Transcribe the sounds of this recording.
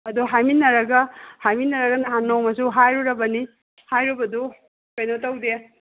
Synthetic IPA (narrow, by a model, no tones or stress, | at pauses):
ɐduɦajminːɐɾɐɡɐhajminːɐɾɐɡɐnaɦanːɔwmɐsuɦajɾuɾɐbɐni | hajɾubɐdu | kejnotawde